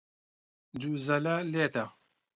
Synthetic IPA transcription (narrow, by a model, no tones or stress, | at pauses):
d͡ʒuːzɐlɐleːt̪ɐ